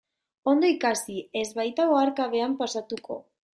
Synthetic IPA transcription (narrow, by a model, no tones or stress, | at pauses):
o̞nd̪o̞ikasie̞zβajt̪aɣoaɾkaβe̞ampasat̪uko̞̰